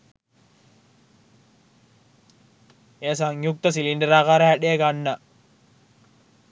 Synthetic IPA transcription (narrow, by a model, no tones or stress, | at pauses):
eːs̬aŋjuk̚t̪ɐs̬iliɳɖəɾaːkaːɾɐɦæɗeeɡanːɐ